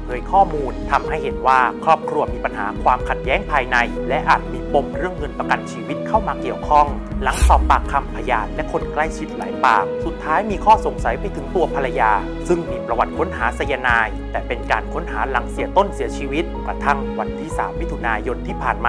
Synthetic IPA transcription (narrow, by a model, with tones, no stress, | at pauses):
doː˧jkʰɔː˥˩muː˧nt̪ʰa˧mha˥˩jhe˩˦nwaː˥˩kʰɾɔː˥˩p̚kʰɾu˧ɐmiː˧pa˧nɦa̰ː˩˦kʰwaː˧mkʰa˨˩t̪̚jɛː˦˥ŋpʰaː˧jna˧jlɛ˦˥ʔaː˨˩t̪̚miː˧po˧mɾɯ˥˩əŋːɤ˧npa˧ka˧nt͡ɕʰiː˧wi˦˥t̪̚kʰa˥˩wmaː˧ki˨˩əwkʰɔ˥˩ŋ | la˩˦ŋsɔː˨˩pːaː˨˩kʰːa˧mpʰa˧jaː˨˩t̪̚lɛ˦˥kʰo˧˥nkla˥˩jt͡ɕʰi˨˦˥t̪̚la̰ː˩˦jpaː˨˩k̚su˨˩t̪ʰːaː˦˥jmiː˧kʰɔː˥˩so˨˩ŋsa˨˩˦jpa˧jt̪ʰɯ˩˦ŋt̪u˧ɐpʰa˧la˧jaː˧ | sɯ˥˩ŋmiː˧pɾa˧wa˨˩t̪̚kʰo˦˥nɦaː˩˦sa˧ja˧naː˧jt̪ɛː˨˩pe˧nkaː˧nkʰo˦˥nɦaː˩˦la˩˦ŋsi˨˩˦ɐt̪o˥˩nsi˨˩˦ɐt͡ɕʰiː˧wi˦˥t̪̚kɾa˧t̪ʰa˥˩ŋwa˧nt̪ʰiː˥˩sa̰ː˩˦mwi˦˥t̪ʰu˧naː˧jo˧nt̪ʰiː˥˩pʰaː˨˩nmaː˧